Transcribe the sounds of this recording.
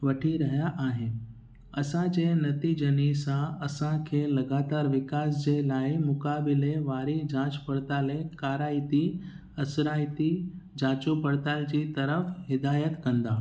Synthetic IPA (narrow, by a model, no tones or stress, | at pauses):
ʋɐʈʰiɾɐɦjaʔːɦɪ | ɐsãd͡ʑeːnɐt̪id͡ʑɐnisãɐsãkʰeːlɐɡaːt̪aːɾʋɪkaːs̬d͡ʑeːlaːimʊkaːbɪleʋaːɾid͡ʑãːt͡ɕpɐɽt̪aːlekaːɾaːit̪i | ɐsɾaːɪt̪id͡ʑãːt͡ɕupɐɽt̪aːld͡ʑiːt̪ɐɾəfɦɪd̪aːjət̪kɐ̃nd̪aː